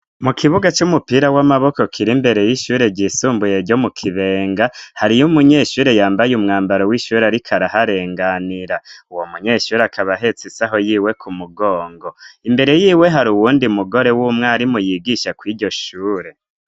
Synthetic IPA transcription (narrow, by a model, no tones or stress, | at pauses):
mukʰiβuɡat͡ʃumupiɾawamaβo̞ko̞kʰiɾimbe̞ɾe̞jiʃuːɾe̞ɟisuːmbuje̞ɾɟo̞mukʰiβe̞ːŋɡahaɾijumuɲe̞ːʃuːɾe̞jaːmbajumŋaːmbaɾowiʃuːɾeaɾikʰaɾaɦaɾe̞ːŋɡaniɾauwomuɲe̞ːʃuːɾeakʰaβaɦe̞t͡sisaɦo̞jiːwe̞kʰumuɡo̞ːŋɡo̞imbe̞ɾe̞jiːwe̞ɦaɾuwuːndiumuɡo̞ɾe̞wumŋaɾimujiɡiʃakwiːɟo̞ʃuːɾe̞